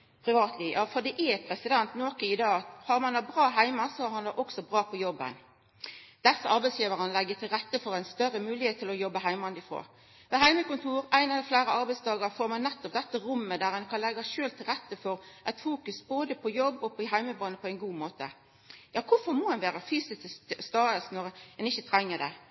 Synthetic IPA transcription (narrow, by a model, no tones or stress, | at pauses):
pʰɾɪʋɑːt̪ʰliːjɑːfɔd̪ɛʔɛpʰʁɛsɪd̪ɛnt̪noːkəɪd̪ɑːɑt̪hɑɾmɑnæbʁɑːɦæɪmɑsɔhɑɾhɑnd̪ɑʔɔksɔbʁɑːpʰɔjɔbːə̰n | d̪̥ɛsəɑɾbæɪsjiːʋəʁənlɛɡːət̪ʰɪlɾɛt̪ːəfɔɾæɪnst̪œɾəmʉːlɪheːt̪ʰːɪlɔjɔbːəɦæɪmɑnd̪ɪfʁo̰ː | ʋɛɦæɪməkʊnt̪ʰuːɾæɪnɑlɛflæɪɾəɑɾbæɪsd̪ɑːɡəɾfoːɾmɑnːɛt̪ːɔp̚d̪ɛt̪ːəɾʊmːəd̪æɾɛnkʰɑnlɛɡɑʃøːlt̪ʰɪlɾɛt̪ːəfɔɾʔɛɪt̪fuːkʉsboːd̪əpʰɔjɔbːɔpɦæɪməbɑːnəpʰɔæɪnɡuːmoːt̪ə̰ | jɑːkʰʊfɔɾmɔːɛnʋeːʁəfyːsɪssst̪ɑːəsnɔɾɛnɪçːət̪ʰɾɛŋːəd̪ɛ